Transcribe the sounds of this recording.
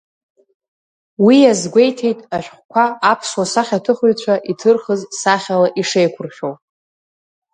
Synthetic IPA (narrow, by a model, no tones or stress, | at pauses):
wijazɡʷe̞jtʰe̞jtʼaʃʷᶣχʷkʷʰaːpʰswasaχʲatʰɨχʏjt͡ɕʷʰaʔitʰɨrχəzsaχʲalaʔiʂejkʷʰʊrχʲow